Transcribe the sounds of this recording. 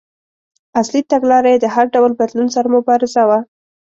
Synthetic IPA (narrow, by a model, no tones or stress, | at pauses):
aslit̪aɡlɑɾajed̪əɦaɾɖawlbad̪lunsaɾamʊbɑɾɪzawa